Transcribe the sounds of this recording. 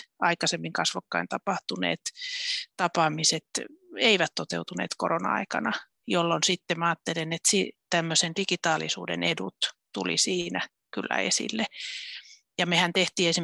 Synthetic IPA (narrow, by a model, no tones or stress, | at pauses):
ɑikɑsemːiŋkɑsʋokːɑint̪ɑpɑht̪unḛːt̪t̪ɑpɑmiset̪eiʋæt̪t̪ot̪ḛut̪unḛːt̪ko̰ronɑ̰ɑ̰ikɑ̰nɑ | jolːonsit̪ːemæɑːt̪ːelenet̪sit̪æmːøsend̥ikit̪ɑːlisṵːdḛnedṵt̪t̪ṵlḭsiːnæ | kylːæ̰ḛsḭlːe | jɑmehænt̪eht̪iːesi